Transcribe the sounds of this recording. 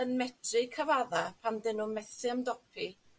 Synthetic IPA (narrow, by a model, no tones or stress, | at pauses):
ənmɛtʰrɨkʰəvaðapʰamdɪnumɛθɪəmdɔpʰi